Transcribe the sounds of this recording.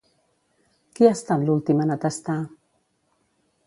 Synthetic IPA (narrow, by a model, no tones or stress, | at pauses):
kiast̪anlult̪imanat̪ast̪a